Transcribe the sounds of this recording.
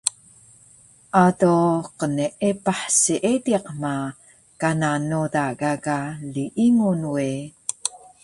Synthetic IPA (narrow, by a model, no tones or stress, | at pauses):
ʔadoqəniʔepaħsiʔediqma | kananudaɡaɡaliʔiŋunwe